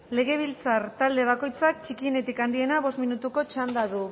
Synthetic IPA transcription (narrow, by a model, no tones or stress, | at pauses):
le̞ɣ̞e̞β̞ilt͡saɾt̪ald̪e̞β̞ako̞jt͡sak̚t͡ʃikiene̞t̪ikand̪ie̞naβo̞st̪minut̪uko̞t͡ʃand̪aðu